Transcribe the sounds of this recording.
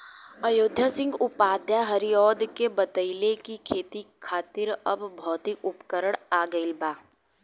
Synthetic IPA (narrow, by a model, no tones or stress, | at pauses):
əjoːd̪ʱjasɪ̃ŋɡʊpaːd̪ʱjaɦɐɾijɔːd̪kebət̪əɪlekikʰeːt̪ikʰaːt̪ɪɾɐbːʱɔːt̪iʔʊpkəɾəɽaːɡəɪlbaː